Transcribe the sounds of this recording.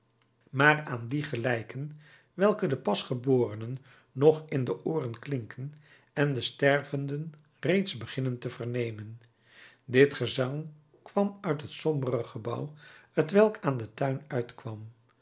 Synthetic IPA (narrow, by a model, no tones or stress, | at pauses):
maːraːndiχəlɛjkən | ʋɛlˠkədəpɑsχəbʊːrənənː | ɔχɪndəʔʊːrənklɪŋkʰən | ɛndəstɛɹvəndən | rejtzbəχɪnəntəvərnejmən | dɪtχəzɑŋ | kʋɑmœɥtɦətsɔmbərəχəbʌ̰whətʋɛlˠkʰaːndətœɥnœɥtkʋɑm